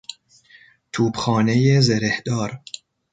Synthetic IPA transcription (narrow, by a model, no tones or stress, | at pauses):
t̪ʰuːbxɒːnejezeɾehd̪ɒːɾ